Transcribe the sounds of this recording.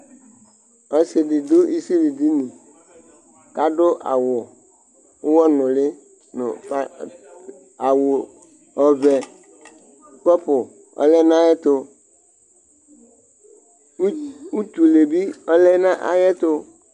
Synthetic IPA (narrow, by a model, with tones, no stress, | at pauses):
ɔ˨sɪ˨dɪ˨d̪ʊ˦i˦si˦li˨di˦nĩ˨ | ka˨ɖʊ˦ʔa̰˨wʊ˨ | ʊ˦wɔ˦nʊ̃˨lɪ˦ | nʊ̰˨p | a˨wʊ˨ | ɔ˨vɛ˨ | k͡pɔ˦pʊ˨ | ɔ̰˦lɛ˦nã˦jɛ˦t̪ʊ˦ | u˦t̪u˨le˨bi˦ɔ˦lɛ˦nã˦ʔa̰˨jɛ˦t̪ʊ˦